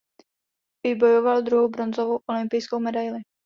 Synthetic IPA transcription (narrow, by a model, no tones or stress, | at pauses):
vɪbo̞jovald̪ɾuɦowbɾonzovowʔolɪmpɪjskowmɛdajlɪ